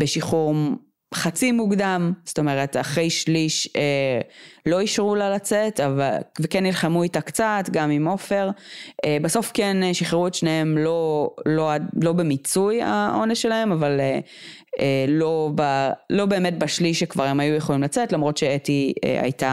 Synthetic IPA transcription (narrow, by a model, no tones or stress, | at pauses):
beʃiχuʁ | χat͡simuɡdamsto̞me̞ʁetaχʁejʃliʃe | lo̞iʃʁulalat͡setavalvekenːilχamuitakt͡satɡamimo̞fe̞ʁebaso̞fkeneʃiχeʁuetʃnehemlo̞loadlo̞bemit͡suja̰ʔo̞nesʃelahe̞mavale | elo̞balo̞be̞ːmet̚baʃliʃekvaʁemajujeχo̞limlat͡setlamʁo̞tʃeetiḛa̰jta